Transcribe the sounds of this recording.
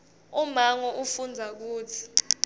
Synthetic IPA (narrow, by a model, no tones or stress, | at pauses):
umaŋɔʔufund͡zʱak̬uːtʰi̥